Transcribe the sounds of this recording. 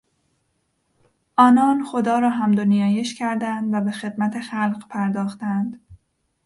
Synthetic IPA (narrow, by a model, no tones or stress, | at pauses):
ʔɒːnɒːnxod̪ɒːɾɒːɦæmd̪onijɒːjeʃcʰæɾd̪ænd̪væbe̞xe̞d̪mæt̪ʰe̞xælɢpʰæɾd̪ɒːxt̪ænd̪̥